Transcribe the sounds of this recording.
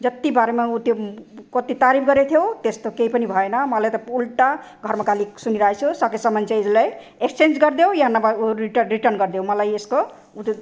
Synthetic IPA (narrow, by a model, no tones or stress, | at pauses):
d͡zʌt̪ːibaɾemeut̪ekʌt̪it̪aɾipʰɡʌɾet̪ʰijowt̪est̪okeipʌnibʱʌenʌmʌlajt̪ʌulʈa | ɡʱʌɾmakalisuniɾʌɦet͡ʃʰusʌkesʌmʌnt͡ʃeid͡zlaj | ekst͡ʃend͡ʒɡʌɾd̪ewjʌɦanːabiʈɾiʈʌrnɡʌɾd̪eõmʌlajesko | ut̪